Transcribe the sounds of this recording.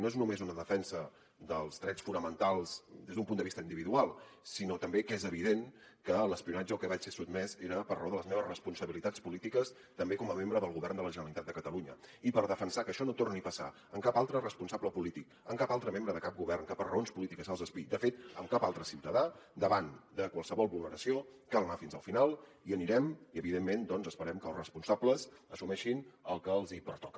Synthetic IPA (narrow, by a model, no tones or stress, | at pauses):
noeznumezunəðəfɛnsə | d̪əlˠzðɾɛt͡ssfunəmənt̪alˠzd̪ezd̪umpund̪əβist̪əind̪iβiðualˠsinot̪əmbekezəβiðeŋkələspiunad͡ʒəlˠkɛβat͡ʃsesud̪mɛzeɾəpərəoðələzmeβəsrəspunsəβilit̪at͡spulit̪ikəs | t̪əmbekɔməmembɾəðəlˠɣuβɛrnd̪ələʒənəlit̪at̪̚əkət̪əluɲəipəɾðəfənsakəʃɔnot̪ornipəsa̰ | əŋkapalˠt̪ɾərəspunsabləpulit̪ik | əmŋkapalˠt̪ɾəmembɾəðəkap̚ɡuβɛrnkəpərəonspulit̪ikəzəlˠzəspid̪əfet̪əmkapalˠt̪ɾəsiwt̪əðad̪əβand̪əkwəlˠsəβɔlˠβulˠnəɾəsiokalnafinzəlˠfinalˠ | iəniɾɛmiəβiðemːend̪ɔnzəspəɾɛmkəlˠrəspunsabləzəsumɛʃinəlˠkəlˠzipəɾt̪ɔkə